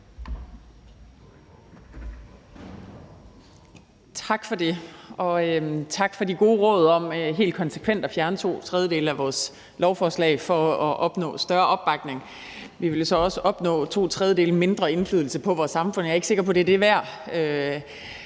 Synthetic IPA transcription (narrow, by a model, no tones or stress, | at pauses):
t͡sʰɑ̈ɡ̥fɒ̽d̥e̝ɒ̽øt͡sʰɑ̈ɡ̥fɒ̽diɡ̥o̝ːʁɔ̽ːð̞ˠɒ̽m̰ɦe̝̰ːld̥̚kʰɒ̽nsə̥kʰʋen̰d̥ɒfjæɐnət͡sʰo̝̰ːt͡sʰʁɛð̞ˠjəde̝̰ːləæʋɒːs | lɒʊfɒːslɛ̰ɪfɒ̽ɒʔɒ̽b̥nɔ̰̽ːsd̥ɶɐʔɒ̽b̥b̥ɑ̈ɡ̥ne̝ŋ | ʋiʋe̝ljo̝sɒ̽ɒ̽səʔɒ̽b̥nɔ̰̽ːt͡sʰo̝̰ːt͡sʰʁɛðˠjəde̝̰ːləme̝nd̥ʁɐe̝nflyð̞ˠl̩səpʰɒ̽ʋɒːsːɑ̈mfɔ̽n̰jɑ̈e̥se̝ɡ̥ɐpʰɒ̽d̥e̝d̥e̝ʋæɐ̰ø